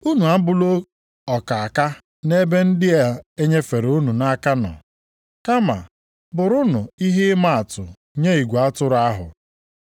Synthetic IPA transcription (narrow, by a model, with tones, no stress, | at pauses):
u˦nu˨a˦m̩˦bʊ˦lo˦ | ɔ˨ka˨a˨ka˦ | ne˦be˦n̩˦dɪ˦a˨e˦ɲe˦fe˨ɾu˦nu˨na˦ka˦nɔ̰˨ | ka˦ma̰˨ | bʊ˨ɾʊ˦nʊ˨i˦ɦe˦ɪ˦ma˦a˨tʊ˨ | ɲe˦i˨ɡʷa˦tʊ˦ɾa˦ɦʊ̰˨